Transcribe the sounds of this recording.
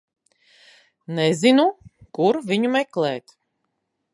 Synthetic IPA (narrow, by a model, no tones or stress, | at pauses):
nɛzinukuɾvʲiɲumɛklɛːt̪